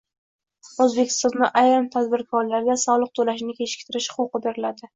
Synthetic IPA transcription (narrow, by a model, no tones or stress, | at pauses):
ozbekʲʰɪ̥st̪ɒnd̪aʔajɾɨmt̪ʰad̪bɪɾkʰɒɾlaɾɡʲasɒlˠɨq̚t̪ʰolaʃɪnɪkʲʰe̞t͡ʃɪ̥kʲt̪ʰɪɾɪʃχʊqɨbeɾɪlad̪ɪ